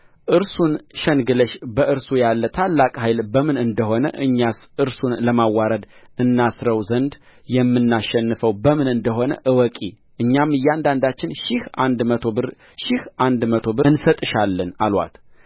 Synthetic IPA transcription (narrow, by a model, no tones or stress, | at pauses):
ʔɨɾsunʃɛnɡɨləʃbəʔɨɾsujalːət̪ʰalːakʼɦajlbəmɨnɨnd̪əɦo̞nə̰ʔɨɲːasʔɨɾsunləmawaɾəd̪ʔɨnːasɾəwzənd̪ | jɛmːɨnːaʃːɛnːɨfəwbəmɨnɨnd̪əɦo̞nə̰ʔɨwɔkʼi | ʔɨɲːamɨjɛand̪and̪at͡ʃːɪnʃɪhand̪məo | ʃɪhʔand̪mət̪ʰo̞bɨnsət̪ʼɨʃalːəna̰lwa̰t̪